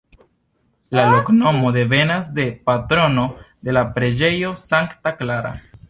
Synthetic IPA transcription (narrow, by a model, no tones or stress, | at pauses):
lalokno̞mod̪e̞ve̞nazd̪e̞pat̪ɾo̞no̞ | d̪e̞lapɾe̞d͡ʒe̞jo̞saŋkt̪aklaɾa̰